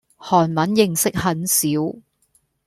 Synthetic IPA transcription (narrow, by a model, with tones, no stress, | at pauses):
hɔː˨˩nmɐ˨˥njɪ˨ŋsɪ˥k̚hɐ˨˥nsiː˨˥w